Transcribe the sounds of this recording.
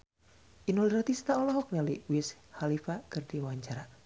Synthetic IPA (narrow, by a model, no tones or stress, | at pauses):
ʔinuliɾat̪ist̪aɔlɔɦɔk̚naliwɪshalifakɨrdiwaɲt͡ʃaɾa